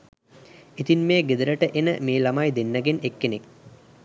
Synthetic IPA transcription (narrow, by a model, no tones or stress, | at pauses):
it̪inmeːɡed̪əɾəʈəʔenəmeːlamajd̪enːəɡenekːenek̚